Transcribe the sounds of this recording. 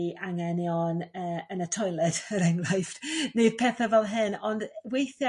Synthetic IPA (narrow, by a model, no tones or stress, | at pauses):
ʔaŋɛnjɔnəːənətʰɔjlˠɛd̥əɾɛŋrajfd̥neɨd̥pʰɛːθavɛlˠɦɨnɔndwejθjɔ